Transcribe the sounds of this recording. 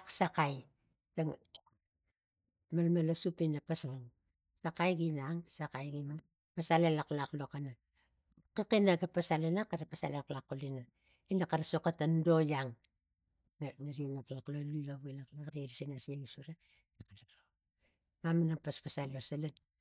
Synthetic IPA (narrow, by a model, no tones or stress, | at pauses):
ksakaj | taŋ | malmalasupinapasaaŋ | sakajɡinaŋsakajɡimaŋ | pasalalaklaklokana | kikinaɡapasalanakaɾapasalaaklakːulina | inakaɾasokatandojaŋ | nnaɾinaklaklolulaβuilaklakɾiɾisinasieɡisuɾa | nakaɾao | mamanaŋpaspasalosalan